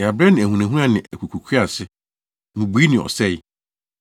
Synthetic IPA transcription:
a˨bɾɛ˦nɪ̃˨æ˨hũ˨ã˨ɦũ˦ã˦˨nɪ̃˨ʔæ˨kʰu˨kʰu˨kʰi˦a˨sɪ˦ | mũ˨bu˨˦i˦nɪ̃˨ɔ̰˨sɛ˦˨j

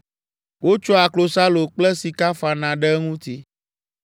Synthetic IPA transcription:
wo˦t͡ʃɔ˦a˨klo˨sa˦lo˨k͡plɛ˦si˨ka˦fa˨nã˨ɖɛ˦ŋũ˦t̪i˦

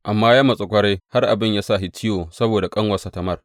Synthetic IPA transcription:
ʔa˨mːaː˦jaː˦mɐ˨sʼɪ˨kʷɐ˦ɽe˦ha˦rʔa̰˨bɪ˦˨ɲjaː˦sa˦˨ɦɪ˨tɪ˦joː˨sɐ˦boː˨da˨kʼɐ˦ŋwɐ˨sɐ˨tɐ˨mɐ˦r

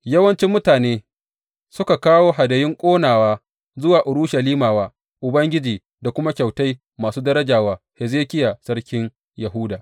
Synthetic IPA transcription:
jɐ˦wɐ˦nt͡ʃɪ˦mːʊ˦taː˨neː˦ | sʊ˦ka˨kaː˦woː˦ɦa˨dɐ˨jɪ˦ŋkʷʼoː˦naː˨waː˦ | zʊ˦waː˨ʔʊ˨ɾʊ˦ʃɐ˨liː˦maː˨waː˦ | ʔʊ˨bɐ˦ŋɡʲɪ˦d͡ʒiː˨ | da˨kʷʊ˦ma˦kʲa˨wta˦j | maː˨suː˦dɐ˦ɾɐ˦d͡ʒaː˨waː˦ | hɛ˨zeː˦kʲɪ˦jaː˨sɐ˦ɽkʲɪ˦ŋ | jɐ˨ɦuː˦daː˨

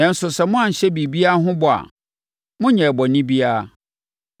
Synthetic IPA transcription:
nɛ̃˨n̩˨sʊ˨sɛ˨mʊ̃˦ã˨ɲ̩˨ɕɛ˦bi˨bi˦a˦ɦʊ̃˦bɔ˨a̰˨ | mʊ̃˦ɲɛ̃˨bɔ˨nĩ˦bi˦a˦˨

